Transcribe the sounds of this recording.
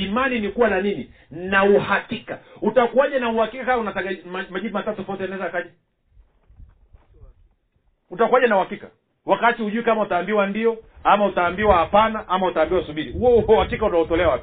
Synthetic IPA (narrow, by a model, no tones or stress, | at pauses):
imaninikuwananini | nauhakikautakuwaʄanauhakikakaaunataɡamamaʄivimatatufɔtɛɛnaɛzaakaʄa | utakwaʄanauhakika | wakatihuʄuikamautaːmbiwandiɔamautaːmbiwahapanaʔamautaːmbiwasuɓiɾihuɔuɔhakikautaɔtɔlɛawapi